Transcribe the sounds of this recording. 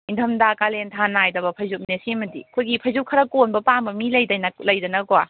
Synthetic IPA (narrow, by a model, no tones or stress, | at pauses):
intʰɐmdakalentʰanajdɐbɐpʰɐjzup̚nesimɐdḭkʰojɡipʰɐjzup̚kʰɐɾɐkonbɐpambɐmilɐjdɐjnɐlɐjdɐnɐkɔa